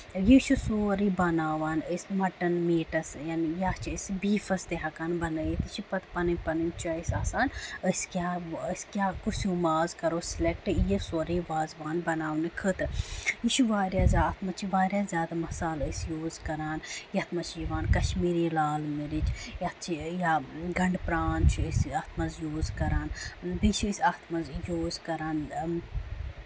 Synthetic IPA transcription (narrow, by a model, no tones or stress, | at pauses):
jit͡ʃʰusoːɾiːbɐnaːʋaːnəsmɐʈɐnmiːʈɐsjaːnijat͡ʃʰiəsbiːfɐst̪eɦɐkaːnbɐnəjit̪it͡ʃʰipɐt̪ʰpɐnɨpɐnint͡ʃʰuəjsaːsaːnəskʲaːəskʲjaːkusuːmaːzkɐɾoːsilek̚ʈɨjesoːɾiːʋaːzʋaːnbɐnaːʋnɨkʰəːt̪ɾiʃuʋaːɾjaːzʲaːt̪ʰmɐt͡ʃʰiʋaːɾjaːzʲjaːd̪amɐsaːləsjoːzkɐɾaːnjɐt̪ʰmɐt͡ʃʰijiʋaːnkɐʃmiːɾilaːlmiɾit͡ʃʰjɐt͡ʃʰijaɡɐɳɖpɾaːnt͡ʃʰisɐt̪ʰmɐzjoːzkɐɾaːnbit͡ʃʰəsʲɐt̪ʰmɐzjoːzkɐɾaːn